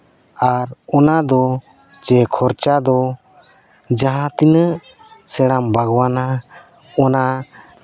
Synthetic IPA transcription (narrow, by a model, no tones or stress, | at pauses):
aɾɔnad̪ɔ | d͡ʒɛkʰɔɾt͡ʃad̪ɔ | d͡ʒãɦãt̪inəʔ | sɛɽ̃ambaɡwana | ɔna